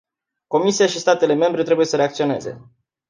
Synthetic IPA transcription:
ko̞misijaʃist̪at̪e̞le̞me̞mbɾe̞t̪ɾe̞buje̞səɾe̞akt̪sio̞ne̞̰ze̞̰

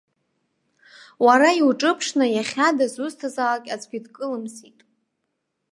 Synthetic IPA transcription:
waɾaiwʈ͡ʂʼɨpʰʂnajaχʲadazuztʰazalakʲʼat͡sʰʼɡʲidkʼɨlɨmsitʼ

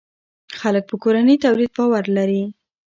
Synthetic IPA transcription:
xalək̚pəkoɾanəjt̪awlid̪̚bɑwaɾlaɾi

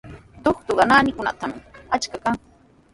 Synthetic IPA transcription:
t̪oχt̪ʊɢɑnaːnɪkʊna̰t̪amɪat͡ʃkakaŋ

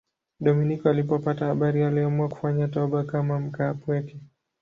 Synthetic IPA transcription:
ɗɔminikɔalipɔpatahaɓaɾialiɔamuaku̥faɲatɔɓakamam̩kaːpwɛkɛ

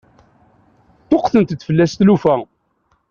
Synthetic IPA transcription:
t̪oqθənt̪t̪ːfəlːæst̪lufæ

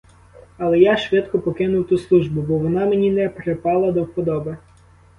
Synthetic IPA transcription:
ɐlˠɛjaʃʋɪd̪kɔpɔkɪnʊwt̪uslˠuʒbʊbɔʋɔnɑmenʲinɛpɾepɑlˠɐd̪ɔwpɔd̪ɔbe

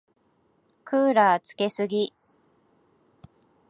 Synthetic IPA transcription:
kʰɯːɾaːt͡sɨ̥ke̞sɨɡʲi

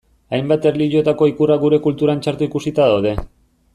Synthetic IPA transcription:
ajmbat̪e̞ɾliʎo̞t̪ako̞ikuraɣuɾe̞kult̪uɾant͡ʃaɾt̪uikusit̪aðawð̞e̞

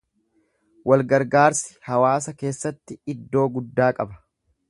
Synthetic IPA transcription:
wʔɐlɡɐɾɡaːɾsɪ̥hɐwaːsɐke̞ːsːɐt̪ːɪɪd̪ːo̞ːɡʊd̪ːaːkʼɐbɐ̥

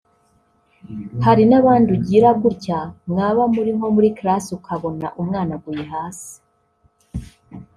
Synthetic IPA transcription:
haɾinaβaːnduɟiːɾaɡucamŋaːβamuɾimo̞muɾikɾasukʰaβo̞na̰ʔumŋaːnaɡujeɦaːsi̥

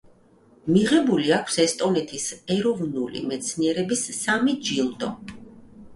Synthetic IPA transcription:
miʁɛbuliakʰsɛst̪ʼɔnɛt̪ʰisɛɾɔvnulḭmɛt̪sʰniɛɾɛbisːamid͡ʒilˠd̪ɔ

